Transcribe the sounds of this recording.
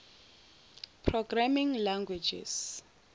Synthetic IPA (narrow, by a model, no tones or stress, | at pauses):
pʰrɔɡramiŋlaŋɡwed͡ʒḭs